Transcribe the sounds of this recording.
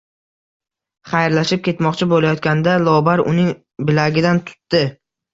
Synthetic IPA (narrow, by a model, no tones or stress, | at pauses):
χajɾlaʃɪp̚kʲʰe̞t̪mɒqt͡ʃʰɪbolajɒt̪kʲand̪alˠɒbaɾʊ̰nɪŋ | bɪlaɡʲɪd̪ant̪ʰʊ̥t̪ːɪ